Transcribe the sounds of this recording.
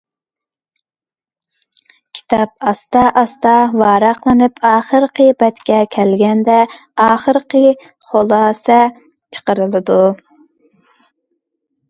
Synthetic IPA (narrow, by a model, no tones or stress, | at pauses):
kʲʰi̥t̪ʰɑp̚ɑst̪ɑʔɑst̪ɑwɑːɾɑqlˠɨnɨpɑːχəɾqəbɛt̪kʲɛkʲʰɛlɡʲɛnd̪ɛɑːχəɾqə | χolˠɑːsɛ | t͡ʃʰə̥qəɾɨlˠɨd̪u